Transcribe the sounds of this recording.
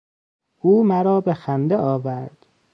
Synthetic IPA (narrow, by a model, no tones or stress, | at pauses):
ʔuːmæɾɒːbexænd̪eɒːvæɾd̪̥